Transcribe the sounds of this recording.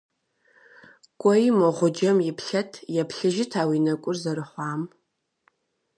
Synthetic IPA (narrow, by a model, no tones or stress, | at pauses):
kʷʼɔjmɐʁʷʊd͡ʒɐmjɪpʰɬɐtʰjɛpʰɬɨʒɪtʰaːwinɐkʷʼʊrzɐɾɨħʷaːm